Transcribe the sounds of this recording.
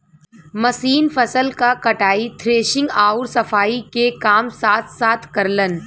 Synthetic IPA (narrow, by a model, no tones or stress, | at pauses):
mɐsiːnfɐsəlkakɐʈaːit̪ʰɾeːʃɪ̃ŋɡaːʊɾsɐfaːikekaːmsaːt̪ʰsaːt̪ʰkɐɾlən